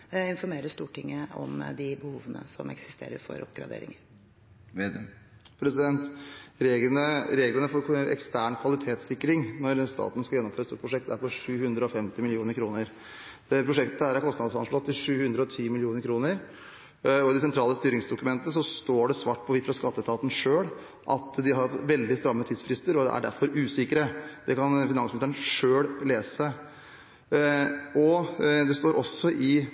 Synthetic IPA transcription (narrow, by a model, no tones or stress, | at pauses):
ɪnfɔɾmeːɾəst̪uːʈɪŋːəɔ̰md̪ɪbəhuːʋənə̰sɔ̰mɛ̰ksɪ̥st̪ḛːɾə̰ɾfɔ̰ɾɔ̰pɡɾɑ̰d̪ḛːɾɪ̰ŋəɾ | pʰɾɛsɪd̪ɛnt̪ɾeəɾeːɡlənəfoɾɛ̰kst̪ʰæːɳkʰʋɑlɪt̪ʰeːt̪sɪkːɾɪŋnɔɾst̪ɑ̰ːt̪n̩skɑjɛnːɔmfløːəst̪uːpʰɾʊʂɛk̚t̪æɾpɔʂʉːhʉnd̪ɾəɔfɛmt̪ɪmɪlɪuːnəɾkʰɾuːnəɾ | pʰɾʊʂɛkt̪əæɾæɾkʰɔst̪nɑd̪sɑnʂlɑt̪ʰːɪʂʉːhʉnd̪ɾəɔt̪ʰiːmɪlɪuːnəɾkʰɾuːnəɾ | ɔɪd̪ɛsɛnt̪ʰɾɑːləst̪yːɾɪŋsd̪ʊkʉmɛnt̪əsɔst̪oːɖɛsʋɑːʈ̚ːpʰɔʋɪt̪fɾɑskɑt̪ːət̪ʰɑːt̪n̩ʂøːɽ | ʔɑ̰t̪d̪ɪɦɑɾʋɛld̪ɪst̪ɾɑmːət̪ʰiːd̪sfɾɪst̪əɾɔd̪ɛ̰æ̰ɖæ̰ɾfɔɾʉːsɪkəɾəd̪ɛkʰɑnfɪnɑnsmnɪst̪əɳʂøːɽleːsə | ʔɔd̪ɛst̪oːɾʔɔsːɔʔɪ